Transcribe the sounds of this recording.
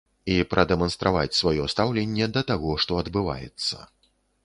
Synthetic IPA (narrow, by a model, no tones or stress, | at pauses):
ipɾʔɐd̪ɛmɐnst̪ɾʔavat͡sʲsvajɔst̪awlʲɛnʲːɛd̪ɐt̪aɣɔʂt̪ɔɐd̪bɨva̰jɛ̰t̪sːɐ̰